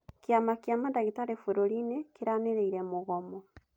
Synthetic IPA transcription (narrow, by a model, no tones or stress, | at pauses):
kiamakjamandaɣitaɾefweɾoɾinekiɾaneɾeiɾemoɣɔmɔ